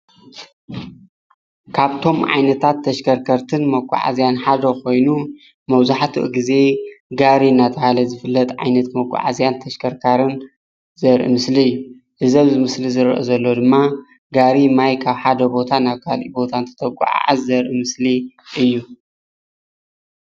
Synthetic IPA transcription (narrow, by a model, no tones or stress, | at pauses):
kʰaβt̪ʰo̞mʕa̰jnɐt̪ʰat̪ʰːɐʃkʰɐɾkʰɐɾt̪ʰɨnmɐkʷʼːa̰ʕa̰zjanħad̪ɐkʰo̞jnu | mɐβzaħt̪ʰɨ̰ʔɡize̞ɡaɾinːat̪ʰɐhalɐzɨfɨlːɐt̪ʼʕa̰jnɐt̪mɐkʷʼːa̰ʕa̰zjant̪ʰɐʃkʰɐɾkʰaɾɨn | zɐɾʔḭmɨsliɨjːu | hɨzɐβzɨmɨslizɨɾʔo̰zɐlːo̞d̪ɨmːa | ɡaɾimajkʰaβħad̪ɐbo̞t̪ʰanaβkʰalʔibo̞t̪ʰant̪ʰɐ̥t̪ʰɐkʷʼa̰ʕa̰ʕa̰zːɐɾʔimɨsli | ʔɨjːu